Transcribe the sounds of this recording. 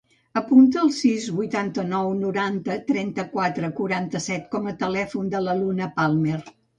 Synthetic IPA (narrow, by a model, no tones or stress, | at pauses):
əpunt̪əːlˠsizβujt̪ant̪ənɔwnuɾant̪ət̪ɾɛnt̪əkwat̪ɾəkuɾant̪əsɛt̪kɔmət̪əlɛfund̪ələlunəpalˠmer